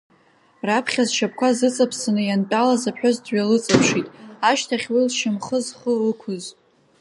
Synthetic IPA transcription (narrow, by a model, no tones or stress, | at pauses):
rapʰχʲazʃap̚ʰʼkʷʰazɨt͡sʼapʰsanɨjantʼalazapʰħʷᶣozdɥalɨt͡sʼapʰʂitʼaʃtʰaχʲwilʃɪmχəzχəlɨkʷʰʊz